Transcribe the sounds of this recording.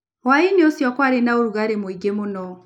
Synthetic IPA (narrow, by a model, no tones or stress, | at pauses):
wainiosjɔkwaɾenaoɾuɣaɾemwiɡemunɔ